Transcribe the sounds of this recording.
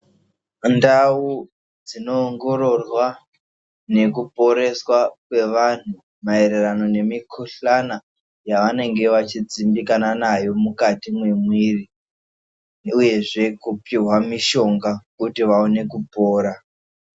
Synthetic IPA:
ndau | d͡zino̞ːŋɡo̞ɾo̞rwa | ne̞kupo̞ɾe̞swakwe̞ʋan̤u | mae̞ɾe̞rano̞ne̞mikʰuɬana | jaʋane̞ŋɡe̞ʋat͡ʃid͡zimbikananajo̞mukatimwemwiri | uje̞ʐe̞kupiɦwamiʃo̞ŋɡakutiʋaone̞kupoːɾa

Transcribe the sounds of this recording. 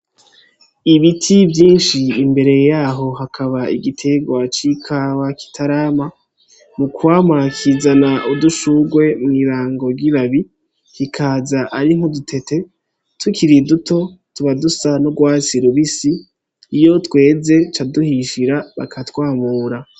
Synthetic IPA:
iβitʰivjiːnʃiːmbe̞ɾe̞jaːɦo̞ɦakʰaβaiɡitʰe̞ɡwat͡ʃikʰawaki̥tʰaɾaːma | mukuwaːmakʰizanaʔuduʃuɡwe̞mŋiːɾaːŋɡo̞ɡiβaβi | kikʰaːzaʔaɾiŋhodutʰe̞tʰe̞ | tʰukʰiɾidutʰo̞tuβadusanoɡwaːt͡siɾuβisiː | jo̞twe̞ːze̞t͡ʃaduhiʃiɾaβa̰kʰatwaːmuːɾa

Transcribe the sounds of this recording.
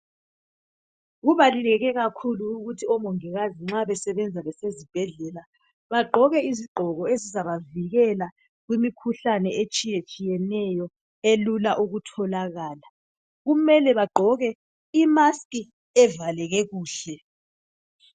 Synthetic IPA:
ɣuβalilɛɣɛɣakʰuluːɣutʰiɔmɔŋɛɣaziŋ͡ǁaβɛsɛβɛnd͡zʱaβɛsezib̥ʱɛɮɛla | βaɡ͡ǃʱɔɣɛiziɡ͡ǃʱɔɣɔezizaβaviɣɛla | ɣwimikʰuɬanɛet͡ʃʼijet͡ʃʼijɛnɛjɔ | elulaʔuɣutʰɔlaɣaːla | ɣumɛlɛβaɡ͡ǃʱɔɣɛ | imaskʼi | ɛvalɛɣɛɣuːɬɛ

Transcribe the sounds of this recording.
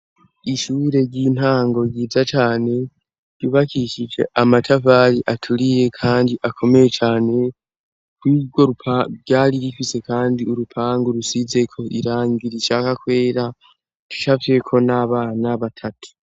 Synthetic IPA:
iʃuːɾe̞ɾɟiːn̥haːŋɡo̞ɡɟiːzat͡ʃaːne̞ | ɟuβakiʃid͡ʒe̞̰ʔamatʰavaːɾiʔatʰuɾije̞kʰaːndiʔakʰo̞me̞je̞t͡ʃaːne̞ | kwiɡɡo̞ɾupʰaɟaːɾiɾifise̞kaːndiuɾupʰaːŋɡoɾusize̞kʰo̞ḭɾaːŋɡiɾiʃaːkakwe̞ːɾa | tu̥ʃavie̞kʰo̞naβaːnaβatʰatʰu̥

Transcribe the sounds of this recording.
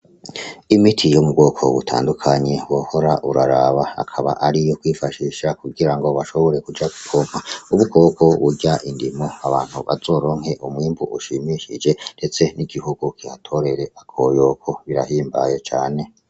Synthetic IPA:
imitʰijomubɡo̞ːkʰo̞̰βutʰa̰ːndukʰaɲe̞woho̞ɾaʔuɾaɾaβaa̰kʰaβa̰ʔaɾijo̞kwiːfaʃiʃakuɡiɾaŋɡo̞βaʃo̞βo̞ɾe̞kud͡ʒaku̥kʰom̥hauβukʰokʰo̞βuɟaʔindimo̞aβaːn̥huβa̰zo̞ːɾo̞ːŋhe̞ʔumwiːmbuʔuʃimiʃid͡ʒe̞nde̞t͡se̞niɡihuɡ̥ukihatʰo̞ɾe̞ɾe̞ʔakʰojo̞kʰo̞βiɾa̰hiːmba̰je̞t͡ʃaːne̞

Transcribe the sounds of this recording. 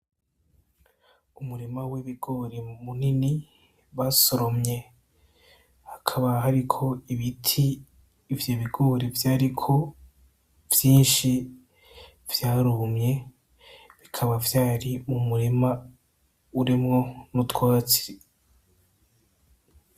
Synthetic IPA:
umuɾimaweβiɡo̞ɾe̞munini | βasoɾo̞mɲe̞ | hakʰaβaɦaɾikʰo̞iβitʰiː | vjo̞βiɡo̞ːɾe̞vjaːɾikʰo̞ | v̥jiːnʃi | vjaːɾumɲe̞ | βikʰaβavjaːɾimumuɾima | uɾimŋo̞nutwaːt͡si̥ɾi

